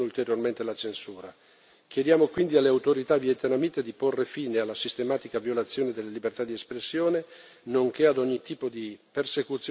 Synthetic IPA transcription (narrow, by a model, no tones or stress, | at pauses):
ult̪eɾjorment̪elat͡ʃensuːɾa | k̟jed̪jaːmokwind̪ialːeawt̪oɾit̪aviet̪enamiːt̪ed̪iporːefiːnealːasist̪emaːt̪ikavjolat̪sːjoːned̪elːelibert̪ad̪iespɾesːjoːne | noŋkead̪ɔɲːit̪iːpod̪ipersekut̪sː